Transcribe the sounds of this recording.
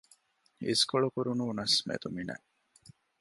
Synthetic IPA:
iskoɭukuɾunuːnɐsmḛt̪uminɐ̰

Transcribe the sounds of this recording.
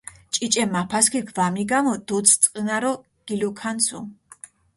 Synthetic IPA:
t͡ʃʼit͡ʃʼɛmapʰaskʰiɡʰvamiɡamɔd̪ut̪sʰt̪sʼqʼənaɾɔ | ɡ̥ilukʰansʰu

